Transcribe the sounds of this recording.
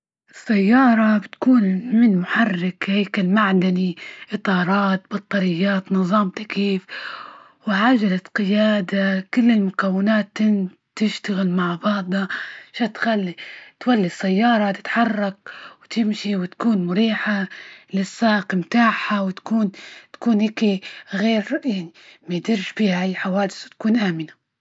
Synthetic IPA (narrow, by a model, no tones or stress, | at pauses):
ʔɪsːajːɑːɾˤɑbɪt̪kuːnmɪnmʊħarːɪkheːkɪlmaʕd̪aniʔɨt̪ˤɑːɾˤɑːt̪bɑt̪ˤːɑɾɪjːaːt̪nɨðˤːɑːmt̪akiːf | wɪʕaːʒalat̪qɪjaːd̪akɪlːɪlmʊkawːɪnaːt̪ːɪn | t̪ɪʃt̪aɣɪlmaʕbɑʕd̪ˤɑʃat̪xalːit̪walːisːajːɑːɾˤɑt̪ɪ̥t̪ħɑrˤːɑk̚wt̪ɪmʃiwɪt̪kuːnmʊɾiːħalɪsːɑːqmt̪aːħawɪt̪kuːnt̪ḁkuːnheːkiɣeːɾjaʕnimajd̪ɪɾʃbiːhajħawaːd̪ɪswt̪kuːnʔaːmɪna